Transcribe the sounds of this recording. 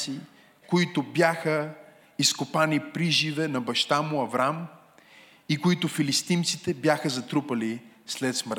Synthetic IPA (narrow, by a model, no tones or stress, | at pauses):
si | koit̪ʊbjaxə | iskopanipɾiʒivɛnɐbɐʃt̪amʊɐvɾam | ikoit̪ʊfilist̪imt̪sit̪ɛbjaxəzɐt̪ɾupɐlislɛt̪smɾ